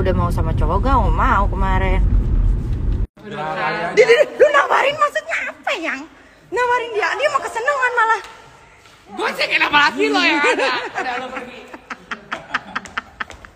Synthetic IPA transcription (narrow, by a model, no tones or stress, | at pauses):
udahmausamat͡ʃoɡaŋɔmaukəmaɾɛn | dididilunawaɾɪnmasut̪̚ɲaːpajaŋ | nawaɾɪndiadiamakəsənəŋanmalah | sikenamaasilɔ